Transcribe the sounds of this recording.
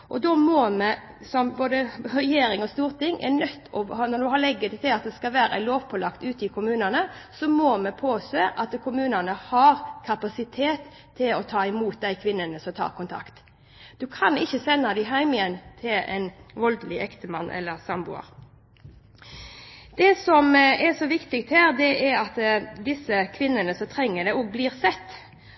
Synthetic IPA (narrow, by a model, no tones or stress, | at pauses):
ʔɔd̪ɔmɔmɛ | sɔmboːd̪əʁɛjeːɾɪŋɔst̪uːʁt̪ɪŋːʔɛ̰nœt̪ːɔnɔd̪ʉɦɑlɛɡːət̪t̪ʰːɪlɑt̪̚d̪ɛskɑʋæːɾæ̰loːʋpʰɔlɑkt̪ʉːt̪ɪkʰʊmʉːnənə | sɔmɔmɛpʰoːseːʔɑt̪kʰʊmʉːnənəhɑɾkʰɑpɑsɪt̪ʰeːt̪ʰː | ɪlɔt̪ʰɑːɪmuːt̪̚d̪æɪkʰʋɪnːənəsɔmt̪ʰɑ̰ːʁkʊnt̪ʰɑ̰kt̪ | d̪̥ʉkʰɑnɪçːəsɛnːɑd̪æɪɦæɪmɪjɛnːt̪ʰɪlɛ̰ɪnʋɔld̪lɪʔɛkt̪əmɑnːʔɛ̰lːəʁsɑmbʊ̰ɑ̰ɾ | d̪̥ɛsɔmɛsɔʋɪkt̪ɪk̚t̪hæːɾd̪ɛʔɛɾɑt̪d̪ɪsəkʰʋɪnːənəsɔmt̪ʰʁɛŋːəd̪ɛɔɡ̚bliːʁsɛt̪ː